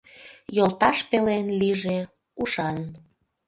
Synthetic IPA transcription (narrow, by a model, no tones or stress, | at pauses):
jolˠt̪ɑʃpelenliʒe | uʃɑn